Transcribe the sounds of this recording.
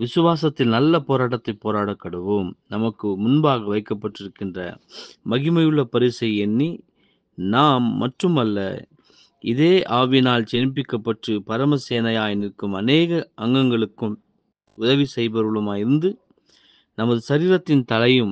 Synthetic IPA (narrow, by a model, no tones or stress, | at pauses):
ʋɪsɯʋaːs̬ɐt̪ːɪlnɐlːɐpoːɾaːʈ̬ːɐt̪ːɐɪpːoːɾaːɽɐkːɐɽɯʋomnɐmɐkːɯmʊnbaːɣɐʋɐɪkːɐpːɐʈːɪɾɯkːɪndrɐ̰mɐɣɪmɐjɯɭːɐpɐɾɪsɐɪɛnːi | naːmːɐʈrɯmɐlːɐ̰ | ɪðeːʔaːʋɪjnaːlt͡ʃɛnp̬ɪkːɐpːɐʈrɯpɐɾɐmɐseːnɐjaːjɪnɪkːɯmɐneːɣɐɐŋɡɐŋɡɐɭɯkːɯm | ʊðɐʋisɛjbɐɾɯɭɯmaːjɪɾɯnd̪ɯ | nɐmɐðɯsɐɾiːɾɐt̪ːɪnt̪ɐlɐjɯm